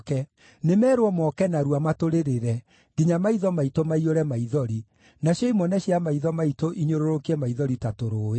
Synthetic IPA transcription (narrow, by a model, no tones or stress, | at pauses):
kɛ | nemɛːɾwɔmɔkɛnaɾuamatoɾeɾeɾɛ | diɲamaiðɔmaitomaioɾɛmaiðɔɾi | naɕjɔimɔnɛɕiamaiðɔmaitoʔiɲoɾoɾokiɛmaiðɔɾitatoɾoːe